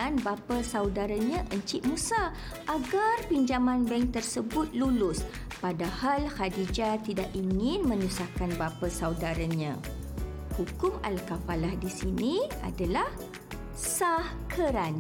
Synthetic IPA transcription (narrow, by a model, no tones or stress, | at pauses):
anbapasawdaɾaɲãʔəɲt͡ʃiʔmusa | ʔaɡarpiɲd͡ʒamãnbɛŋt̪ərsəbʊt̪̚lulʊs | padahalhadid͡ʒat̪idaʔiŋɪnmə̃nusakanbapasawdaɾaɲã̰ | hukʊma̰lkapalahdisinia̰dalah | sah | kʰəɾan